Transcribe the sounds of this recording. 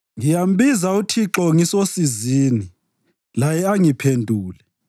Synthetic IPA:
ŋijam̩bizautʰiǁɔŋisosiziːni | lajɛaŋipʰendʱuːlɛ

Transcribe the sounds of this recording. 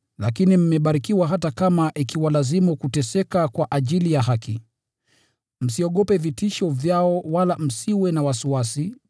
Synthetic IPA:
lakinim̩mɛɓaɾikiwaɦatakamaʔikiwalazimukutɛsɛkakwaʔaʄilijaɦaki | m̩siɔɠɔpɛvitiʃɔvjaɔwalam̩siwɛnawasuwasi

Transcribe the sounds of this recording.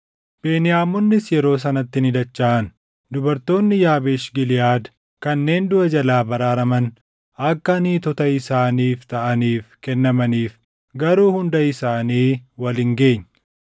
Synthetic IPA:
b̥eːnɪjaːmːɔnːɪsjɛɾo̞ːs̬ɐnɐt̪ːɪnɪd̪ɐt͡ʃːaːʔɐn | d̪ʊbɐɾt̪o̞ːnːɪjaːbeːʃɡɪlɪjaːd̪ | kɐnːe̞ːnd̪ʊʔɐd͡ʒɐlaːbɐɾaːɾɐmɐn | ɐkːɐniːt̪ɔt̪ɐɪsaːniːft̪ɐʔɐniːfkɛnːɐmɐniːf | ɡɐɾuːhʊnd̪ɐɪsaːniːwɐlɪŋɡe̞ːɲː

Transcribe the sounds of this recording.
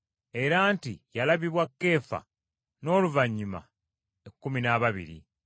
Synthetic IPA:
e̞ɾantijalaβiβwakːe̞ːfa̰ | no̞ːluvaɲːuma̰ | ekːuminaβaβḭɾḭ

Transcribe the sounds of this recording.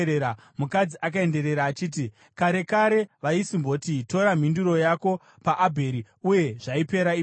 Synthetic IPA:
eɾa | mukad͡ziʔak̬ae̞nde̞ɾe̞ɾaːt͡ʃiːt̬i | kaɾe̞kaɾe̞ʋaisimbo̞tito̞ɾam̤induɾo̞jako̞ | paʔːbʱe̞ɾi | uje̞ʐaipe̞ɾai

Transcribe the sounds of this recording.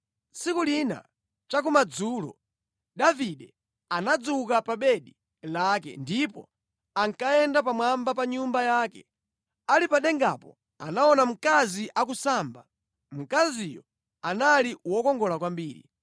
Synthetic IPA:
sikulina̰ | t͡ʃak̬umad͡zuːlɔ̰ | ɗaviɗɛ | anad͡zuukapaɓɛɗi | lakɛ̰ndipɔ̰ | aŋkaɛndapamwambapaɲumbajaːkɛ̰ | alipaɗɛŋɡa̰pɔ̰ | a̰naɔnam̩kaziʔakusaːmba | m̩kazijɔ | analiwɔkɔŋɡɔlakwambiːɾḭ

